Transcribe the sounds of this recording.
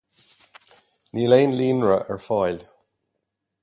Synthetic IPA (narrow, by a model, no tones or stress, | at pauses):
nileːnliːnɹəʔəɹfɑjl